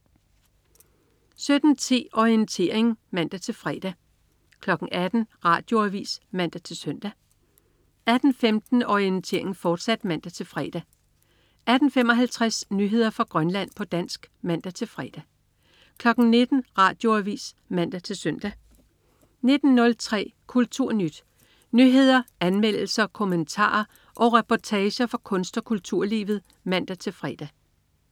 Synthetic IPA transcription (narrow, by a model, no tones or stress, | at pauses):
sød̥n̩t͡sʰe̝̰ːɒient͡sʰe̝ɐ̰e̝ŋmæn̰d̥æt͡sʰe̝lfʁɛːd̥æ | kʰlɒ̽ɡ̥ŋ̩æd̥n̩ʁɑ̈ːd̥jo̝æʋḭːsmæn̰d̥æt͡sʰe̝lsøn̰d̥æ | æd̥n̩femd̥n̩ɒient͡sʰe̝ːɐ̰e̝ŋfɒːd̥sæd̥mæn̰d̥æt͡sʰe̝lfʁɛːd̥æ | æd̥n̩fem̰ɒ̽ɦælt͡sʰʁasnyːɦe̝ð̞̰ˠɐfʁɑ̈ɡ̥ʁɶnlæn̰pʰɒ̽d̥æn̰sɡ̥mæn̰d̥æt͡sʰe̝lfʁɛ̰d̥æ | kʰlɒ̽ɡ̥n̩ne̝d̥n̩ʁɑ̰̈ːd̥jo̝æʋḭːs | mæn̰d̥æt͡sʰe̝lsøn̰d̥æ | ne̝d̥n̩nɔ̽lt͡sʰʁɛ̰ːkʰult͡sʰuɐ̰nyd̥ | nyɦe̝ð̞̰ˠɐænmel̰l̩sɐkʰo̝mənt͡sʰɑ̰̈ːɐ | ʔɒ̽ʁɛpʰɒt͡sʰɛːɕɐfɒkʰɔ̽nsd̥ɒ̽kʰult͡sʰuɐ̰lḭːʋð̩ˠ | mæn̰d̥æt͡sʰe̝lfʁɛ̰ːd̥æ